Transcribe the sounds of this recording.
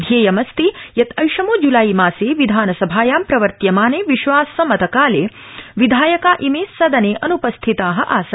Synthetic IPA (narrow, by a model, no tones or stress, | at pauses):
d̪ʱjeːjɐmɐst̪ijɐt̪ɐjʃɐmoːd͡ʒulaːjmaːseːʋid̪ʱaːnɐsɐbʱaːjaːmpɾɐʋɐɾt̪jɐmaːneːʋiʃʋaːsɐmɐt̪ɐkaːleː | ʋid̪ʱaːjɐkaːʔimeːsɐd̪ɐneːʔɐnupɐst̪ʰit̪aːɦɐ̰̆ʔaːsɐ